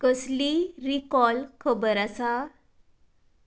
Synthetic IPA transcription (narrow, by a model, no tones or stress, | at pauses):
kəsliɾikɔlkʰəbəɾasa